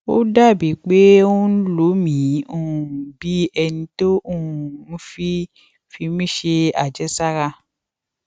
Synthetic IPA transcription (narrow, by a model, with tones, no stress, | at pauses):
o˦da˦˨bi˨˦k͡pe˦o˦n̩˦lo˨˦mĩ˨˦ũ˦˨bi˦ɛ˧nĩ˧to˦ũ˦˨n̩˦fi˦ | fi˧˦mĩ˦˨ʃe˧a˨d͡ʒɛ˨˦sa˦ɾa˧